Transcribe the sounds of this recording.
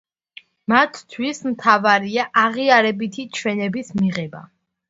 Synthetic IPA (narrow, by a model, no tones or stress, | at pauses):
mat̪ʰt̪ʰwismt̪ʰavaɾiaʔaʁiaɾɛbit̪ʰit͡ʃʰwɛnɛbismiʁɛba̰